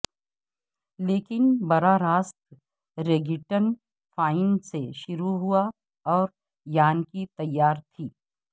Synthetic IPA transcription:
leːkɪnbɐɾaɾaːst̪ | ɾeːɡɪʈən | fʰaːɪnseʃʊɾuɦʊa | ɔːɾ | jaːnkit̪ɐjːaːɾt̪ʰiː

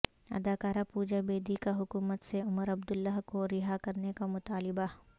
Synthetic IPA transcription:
ɐ̰d̪aːkaːɾapuːd͡ʒabeːd̪ikaɦʊkuːmət̪seʊməɾɐbd̪ʊlːaɦkoɾɪɦakɐɾnekamʊt̪aːlɪba

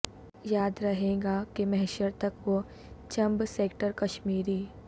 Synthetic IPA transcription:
jaːd̪ɾɐɦẽːɡakemɛɦɛʃəɾt̪ɐkʋo | t͡ʃɐ̃mbseːkʈəɾkɐʃmiːɾiː

